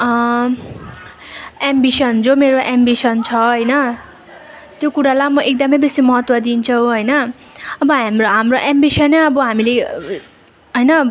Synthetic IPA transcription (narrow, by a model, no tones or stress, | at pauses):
embisʌnd͡zomeɾoʔambisʌnt͡sʰʌɦʌjnʌ | t̪jokuɾalajmʌʔek̚d̪ʌmʌjbesimʌɦʌt̪wʌd̪int͡sʰʌw̃ɦʌjnʌː | bʌɦamroɦamroʔembisʌneʌbʌɦamile | ɦʌjnʌ